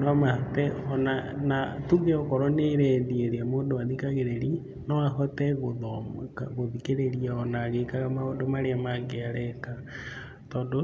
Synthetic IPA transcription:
nwamatɛɔnanatuɡeɔkɔɾɔneɾɛðieðiamoːdoaðikaɣeɾeɾi | nɔaɦɔtɛɣoðɔɣoðikeɾeɾiaɔnaɣekaɣamaodomaɾeamaɡeaɾɛka | tɔːdo

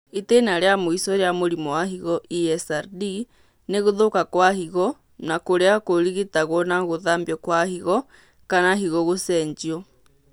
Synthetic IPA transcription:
itenaɾeamoisɔɾeamoɾimɔwaɦiɣɔʔiɛsaɾdi | neɣoðokakwahiɣɔ | nakoɾeakoɾiɣetaɣwɔnaɣoðaːmbjɔkwahiɣɔ | kanaɦiɣɔɣosɛɲd͡ʒiɔ

